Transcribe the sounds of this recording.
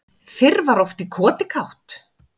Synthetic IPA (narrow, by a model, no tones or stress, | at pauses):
θɪɾvaɾɔft̪ikʰɔːt̪ɪkʰawht̪